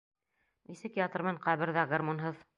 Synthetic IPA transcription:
nisɘkjat̪ɤ̆rmɤɴqæβɘ̆ɾðæɡɐrmonɦɤð

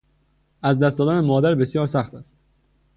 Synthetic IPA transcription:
ʔæzd̪æst̪d̪ɒːd̪ænemɒːd̪æɾbe̞sjɒːɾsæxt̪æst̪

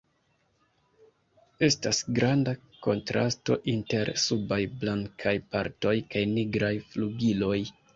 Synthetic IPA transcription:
e̞stasɡɾanda | ko̞ntɾa̰sto̞̰ʔinte̞ɾsubajblaŋkʰajpaɾto̞jkajniɡɾajfluɡilo̞j

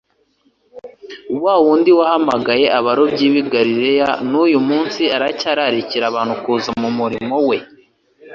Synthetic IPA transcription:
uβwaːwuːndiwahamaɡaje̞ʔaβaɾo̞bɟiːβiɡaɾiɾe̞janujumuːnsiaɾacaːɾaɾiciɾaβaːnhukuːzamumuɾimo̞we̞

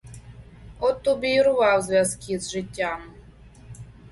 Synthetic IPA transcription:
ɔt̪ːubʲiɾʊvɑwzvʲazkʲizʐɨtʲːam

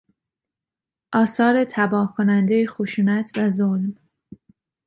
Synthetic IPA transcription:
ʔɒːsɒːɾe̞t̪ʰæbɒːkʰo̞nænd̪ejexoʃuːnæt̪ʰvæzolm

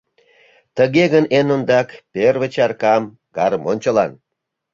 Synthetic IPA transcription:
t̪əɣeɣənenond̪ɑkperβət͡ɕɑrkɑm | ɡɑɾəmonʲt͡ɕəlɑn

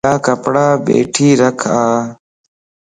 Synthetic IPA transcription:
aːkɐpɽaːbḛːʈʰiːɾɐkʰaː

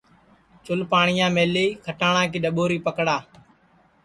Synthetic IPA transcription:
t͡ʃʊlpaːɳɪjãːmeːliːkʰəʈaːɳãːkiːɗəɓoːɾiːpəkɽaː

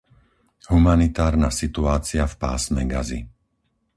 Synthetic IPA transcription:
humanit̪aːɾnasit̪uaːt͡siafpa̰ːsmɛ̰ɡazḭ

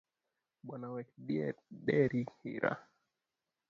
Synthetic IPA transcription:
ɓwanawɛkɗiɛ̰ɗɛɾihḭɾa̰

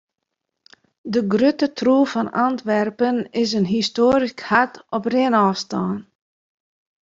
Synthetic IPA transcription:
dəɡrøtətʰruːfɑnɑntʋɛrpənɪsənɦistoːɾikhatɔprɪənɑːfstɑːn

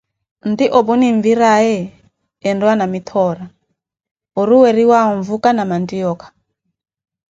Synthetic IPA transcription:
ndiʔɔbuniɱviɾaɛː | ndɔanamit̪ʰɔɾa | ɔɾuwɛɾiwaɔɱvukanamandiɔkḁ

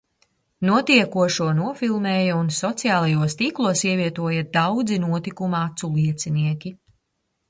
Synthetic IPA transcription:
nuɔt̪iɛkuɔʃuɔnuɔfilˠmeːjɐunsɔt̪sijaːlˠajuɔst̪iːklˠuɔsiɛviɛt̪uɔjɐd̪awd̪zinuɔt̪ikumat̪sulˠiɛt̪siniɛkʲi

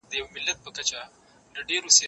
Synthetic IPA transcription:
d̪əjawmɪlːat̪̚pəkat͡ʃa | d̪əɖeɾose

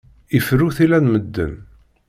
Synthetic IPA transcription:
ifɾuθilænməd̪ːə̰n

